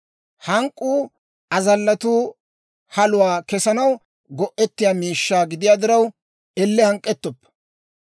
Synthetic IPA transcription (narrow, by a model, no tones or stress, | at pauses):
hɐŋkʼːuː | ɐzɐlːɐt̪uː | hɐlʊwaːkɛsɐnɐw | ɡɔʔɛt̪ːɪjaːmiːʃːaːɡɪd̪ɪjaːd̪ɪɾɐw | ɛlːɛhɐŋkʼːɛt̪ːɔpːɐ̥